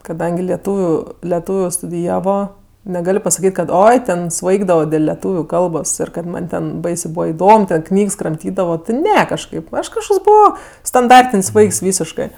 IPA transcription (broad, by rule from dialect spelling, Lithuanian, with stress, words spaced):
kɐˈdɐŋʲɡʲɪ lʲiɛˈtuːʋʲʊ lʲɛˈtuːʋʲʊ stʊdʲɪˈjæːʋoː nʲɛˈɡɐlʲ pɐsɐˈkʲiːtʲ kɐt ˈoːɪ ˈtʲɛn ˈsʋɐɪɡdɐʋoː dʲeːlˠ lʲɛˈtuːʋʲʊ ˈkɐlˠboːs ɪr kɐt ˈmɐnʲ ˈtʲɛn ˈbɐɪsʲeː ˈbuːʋɐ ɪˈdoːm ˈknʲiːks krɐmʲˈtʲiːdɐʋoː tʲɪ ˈnʲɛ kɐʃˈkɐɪp ˈɐʃ kɐʃˈkoːks ˈbʊʋoː stɐnˈdɐrʲtʲɪnʲsʲ ˈʋɐɪks ˈʋʲiːsʲɪʃkɜ